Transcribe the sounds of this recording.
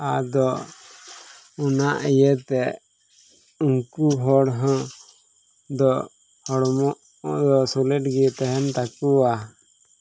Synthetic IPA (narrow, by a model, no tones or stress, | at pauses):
ad̪ɔ | unaʔijɛt̪ɛ | uŋkuɦɔɽɦɔ̃ | d̪ɔ | hɔɽmɔʔ | d̪ɔsɔlɛʈɡɛt̪ɛɦɛnt̪akua